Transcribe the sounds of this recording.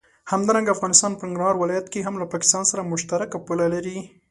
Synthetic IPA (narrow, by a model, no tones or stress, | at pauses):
hamd̪ɑɾaŋɡaːfɣɑnɪst̪ɑnpəɪŋɡɾahɑɾwɪlɑjat̪keɦamlapɑkɪ̥st̪ɑnsaɾamʊʃt̪aɾakapulalaɾi